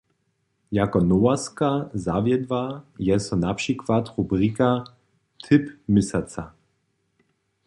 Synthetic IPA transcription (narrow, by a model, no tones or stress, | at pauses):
jakɔnɔwaskazavjɛd̪bajɛsɔnapʂikvat̪ʁubʁika | t̪ʰɪpmɪsat͡sa